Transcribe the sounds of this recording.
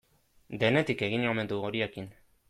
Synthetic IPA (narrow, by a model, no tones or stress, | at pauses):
d̪e̞ne̞t̪ike̞ɣinome̞nd̪uɣoɾiekin